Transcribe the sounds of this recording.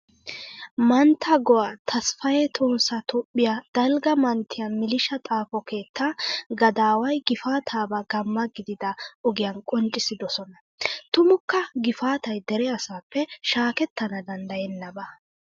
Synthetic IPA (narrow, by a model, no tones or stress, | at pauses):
mɐnt̪ʰːɐɡɔwaːt̪ʰɐsfɐjɛt̪ʰʼʊːnsɐt̪ʊpʼːɪjad̪̥ɐlɡɐmɐnt̪ʰːɪjɐmɪlɪʃɐt̪ʼaːfɔke̞ːt̪ʰːaːɡɐd̪aːwɐjɡɪfaːt̪ʰaːbɐɡɐmːɐɡɪd̪ɪd̪ɐɔɡɪjɐnkʼɔnt͡ʃʼɪsɪd̪ɔsɔnɐ | t̪ʊmʊkːɐɡɪfaːt̪ɐjd̪ɛɾɛɐsaːpːɛʃaːkɛt̪ːɐnɐd̪ɐnd̪ɐjɛnːɐbɐ